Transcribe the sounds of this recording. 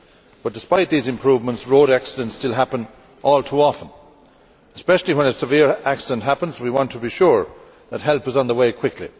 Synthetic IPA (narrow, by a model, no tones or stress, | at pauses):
b̥ʌt̚d̥ɪspaɪt̪̚ðizɨ̃mpʰɹ̥uːvmə̃ntsɹoʊɾaksɪdə̃ntstɪlˠɦæpə̃n | ʔɔlˠtʰuɔfə̃n | əspɛʃl̩ˠiwə̃nəsɨvɪɹæksɪdə̃nʔɦæpə̃nzwiwɑ̃ntʰəbiʃʊɹ | ðət̚ɦɛlˠpəzn̩ðəweɪkʰw̥ɪkʰlḭ